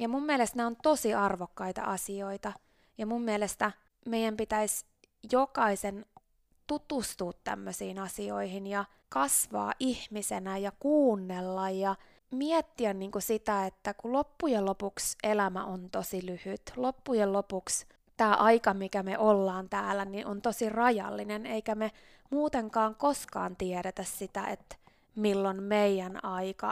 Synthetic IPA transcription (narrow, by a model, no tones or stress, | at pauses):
jɑmumːiælest̪neont̪osiɑrʋokːɑit̪ɑ̰ʔɑsioit̪ɑ | jɑmumːiælest̪æ | meijæmpit̪æis | jokɑisen | t̪ut̪ust̪uːt̪tæ̰mːøsiːnɑsio̰ihinjɑ | kɑsʋɑ̰ːʔihmisenæjɑkuːnːelːɑjjɑ | miɛt̪ːiænniːŋkusit̪æet̪ːækulopːujelopuksʔelæmæ̰ʔont̪osilyhyt̪lopːujellopuks | t̪æːʔɑikɑmikæmeʔolːɑːnt̪æːlæniʔont̪osirɑjɑ̰lːineneikæme | muːt̪eŋkɑːŋkoskɑ̰ːnt̪iɛɾet̪æssit̪æ̰ʔḛt̪ | milːonmeijænɑikɑ̰